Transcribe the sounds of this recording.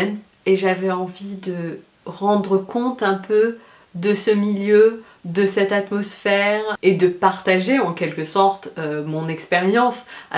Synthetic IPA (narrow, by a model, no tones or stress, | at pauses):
n | eʒavɛɑ̃vid̪ə | ʁɑ̃d̪ʁəkɔ̃t̪ɛ̃pʰø | d̪əsəmiljø | d̪əsɛt̪at̪mɔsfɛʁed̪əpaʁt̪aʒeɑ̃kʲɛlkəsɔʁt̪ømɔ̃nɛkspeʁjɑ̃sa